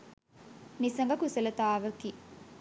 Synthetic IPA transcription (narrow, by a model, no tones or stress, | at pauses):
nisɐŋ̆ɡɐkusɐlɐt̪aːʋɐki